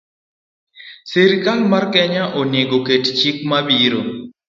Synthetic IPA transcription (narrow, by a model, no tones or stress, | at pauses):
seɾikalmarkɛɲaʔonjeɡokett͡ʃik̚mabiɾo